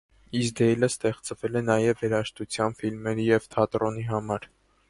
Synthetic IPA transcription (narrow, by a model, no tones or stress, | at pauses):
isd̪ɛjləst̪ɛχt͡svɛlɛnɑjɛvːɛɾɑʃt̪ut͡sʰjɑnfilmɛɾijɛvt̪ʰɑt̪ɾɔniɦɑmɑɾ